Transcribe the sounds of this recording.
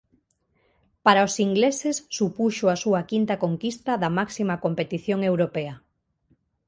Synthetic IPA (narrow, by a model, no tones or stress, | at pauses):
paɾaosiŋɡlesesːupuʃoasuɐkint̪ɐkoŋkist̪ɐðɐmaksimakompet̪iθjoŋewɾopeɐ